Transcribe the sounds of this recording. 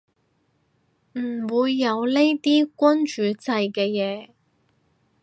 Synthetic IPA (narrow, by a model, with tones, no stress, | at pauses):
m̩˨˩wuː˨˧jːɐ˨˧wle˥jt̪iː˥kʷɔ˥nt͡ʃyː˨˧t͡sɐ˧jkɛː˧jɛː˨˧